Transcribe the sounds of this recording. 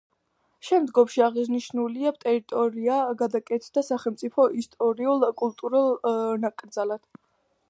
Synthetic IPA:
ʃɛmd̪ɡɔmʃiaʁizniʃnuliabt̪ʼɛɾit̪ʼɔɾiaɡad̪akʼɛt̪ʰd̪asaχɛlˠmt̪sʼipʰɔʔist̪ʼɔɾiulˠkʼulˠt̪ʼuɾalˠnakʼɾd̪zalad̪̥

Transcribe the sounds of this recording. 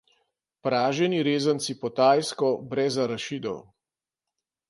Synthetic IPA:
pɾaːʒɛniɾeːzənt̪sipɔt̪aːjskɔbɾɛzaɾɐʃid̪ɔ̰w

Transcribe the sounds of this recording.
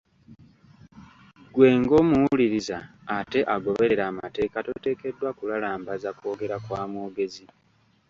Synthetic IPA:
ɡwe̞ːŋɡo̞ːmuwuuliɾizaː | te̞ʔaɡo̞βe̞ɾe̞ɾaːmate̞ːkatote̞ːke̞dːwakulalaːmbazako̞ːɡe̞ɾakwaːmuːɡe̞zi

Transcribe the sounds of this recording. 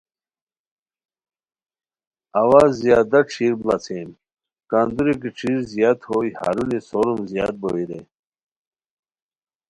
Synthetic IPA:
awazjaːd̪ɐʈ͡ʂʰiːɾblat͡sʰem | kaːnd̪uɾik̬iʈ͡ʂʰiɾzijaːt̪hojha̰ːɾunisoɾumzja̰ːt̪̚bowiɾe

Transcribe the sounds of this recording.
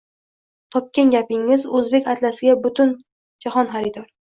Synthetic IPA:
t̪ʰɒp̚kʲenɡʲapɪŋːɪzɵzbe̞kʲat̪lasɪɡʲabʊt̪ʊn | d͡ʒahɒnχaɾɪd̪ɒɾ

